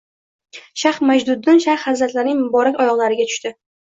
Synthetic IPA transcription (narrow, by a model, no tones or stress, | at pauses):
ʃaχmad͡ʒd̪ʊd̪ːɪnʃaχhazɾat̪laɾnɪŋmʊbɒɾakʲɒjɒʁlˠaɾɪɡʲat̪ʰʊ̥ʃt̪ɪ